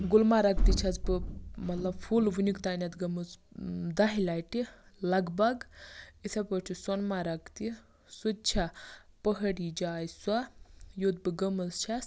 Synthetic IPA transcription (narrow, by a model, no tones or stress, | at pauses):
ɡulmaɾakt̪it͡ʃʰat͡sbɨmɐt̪lɐbfʰulʋunikt̪anʲat̪ɡɐmɨt͡sd̪aɦilʲajʈi | lɐɡbaɡit̪ʰapət͡ʃʰisonmaɾaɡt̪i | sud̪̚t͡ʃʰapəɦɽid͡ʒaːjswajot̪̚bɨɡəməst͡ʃʰas